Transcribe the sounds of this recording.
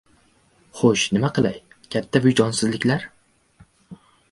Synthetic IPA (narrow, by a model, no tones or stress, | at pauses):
χoʃnɪmaqʰɨlˠaj | kʲʰat̪ʰːabʊjd͡ʒɒnsɪzlɪkʲlaɾ